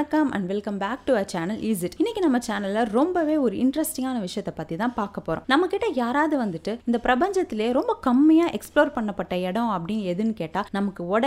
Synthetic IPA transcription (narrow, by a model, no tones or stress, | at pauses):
ɐkːɐmɐ̰̃ɳɖʋɪlkɐmbaːk̚ʈuɐt͡ʃaːnɐlʔɪs̬ɪʈɪnːɪkʲːinɐmːɐt͡ʃaːnɐlɐɾɔmbɐʋeːɔɾɯɪ̰ɳɖɾɛsʈɪŋɡaːnɐʋɪʂɐjɐt̪ːɐpːɐt̪ːit̪ãːpaːɾkɐpːoːɾõ̰nɐmːɐkːɪʈːɐjaːɾaːðɯʋɐnd̪ɯʈːɯɪnd̪ɐpɪɾɐbɐɲd͡ʒɐt̪ːɪljeːɾɔmbɐkɐmːɪjaːʔɛksploːɾpɐɳːɐpːɐʈːɐɛɽɐ̃ɐpːɐɽɪnːɛðɯnːɯkeːʈːaːnɐmɐkːɯɔɽɐ